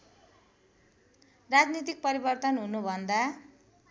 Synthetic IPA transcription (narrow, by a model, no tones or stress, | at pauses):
rad͡znit̪̬ik̚pʌɾibʌrt̪ʌnɦunubʱʌnd̪a